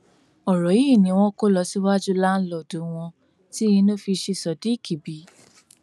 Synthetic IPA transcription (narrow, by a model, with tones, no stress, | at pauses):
ɔ˨ɾɔ˨˦ji˦˨nĩ˨˦w̃ɔ̃˦ko˦lɔ˧si˦wa˦d͡ʒu˦la˦n̩˦lɔ˨du˨˦w̃ɔ̃˧ | ti˦jĩ˧˦nõ˦fi˧ʃi˧sɔ˨di˨˦˨kʰi˨bi˨˦